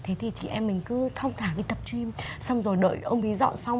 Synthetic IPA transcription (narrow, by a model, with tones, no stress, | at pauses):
t̪ʰe˨˦t̪ʰi˨˩t͡ɕḭ˧˨ʔɛ˧mːï˨˩ŋ̟kɨ˨˦t̪ʰə˧wŋ͡mt̪ʰaː˧˩ŋɗi˧˦t̪ə˨˩p̚t͡ɕwi˧msa˧wŋ͡mzo˨˩jɗə̰ː˧˨jʔə˧wŋ͡mɓi˨˦zɔ̰˧˨nsa˧wŋ͡m